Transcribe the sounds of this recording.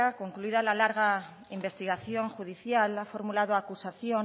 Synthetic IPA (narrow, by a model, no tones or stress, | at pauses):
ako̞ŋkluiðalalaɾɣ̞a | imbe̞st̪iɣ̞aθjo̞ŋxuð̞iθjalafo̞ɾmulað̞oakusaθjo